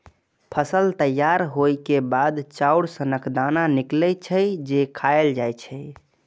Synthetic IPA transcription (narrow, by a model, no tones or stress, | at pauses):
pʰəsəlt̪əjːaɾɦojkebad̪t͡ʃauɽsənəkʰd̪ananiklɛt͡ʃʰəjd͡ʒekʰaeld͡ʒajt͡ʃʰə